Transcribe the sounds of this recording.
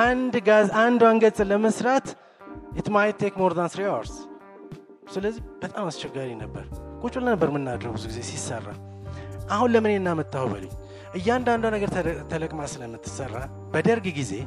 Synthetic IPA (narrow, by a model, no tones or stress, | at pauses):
ʔand̪ɡazand̪waŋɡət͡sʼɨləməsɾat̪ | ɛt̪majɛt̪ʰːekmoɾd̪ansɾijawə̰ɾs | sɨləzːihb̥ət̪ʼamast͡ʃʰɛɡaɾinəbːə̰ɾkʼut͡ʃʼulənəbːəɾmɨnːad̪əɾəɡbɨzuɡize̞sisːərːa̰ | ʔahunləmɨnenːamət̪ʼːahubə̰lṵɲ | ʔɨjːand̪and̪wanəɡəɾt̪ʰələkʼmasɨləmːɨt̪ʰːɨ̥sərːa | b̥əd̪əɾɡɡize̞̰